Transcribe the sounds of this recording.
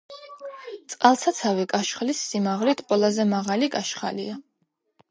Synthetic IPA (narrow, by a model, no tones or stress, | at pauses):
t̪sʼqʼalˠsʰat̪sʰavikʼaʃχlisːimaʁlit̪ʰʼqʼɔlˠazɛmaʁaliɡʼaʃχa̰lia